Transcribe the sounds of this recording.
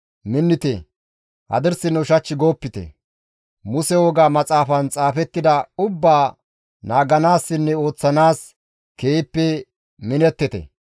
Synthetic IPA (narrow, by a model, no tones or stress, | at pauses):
mɪnːɪt̪ɛ | hɐ̰d̪ɪɾsɪnːɔʊʃɐt͡ʃːɪɡo̞ːpːɪt̪ɛ̰ | mʊsɛwɔɡaːmɐt͡sʼaːfɐnt͡sʼaːfɛt̪ːɪd̪ɐʊbːaː | naːɡɐnaːsːɪnːɛo̞ːt͡sːɐnaːs | keːpːɛ | mɪnɛt̪ːɪt̪ɛ̰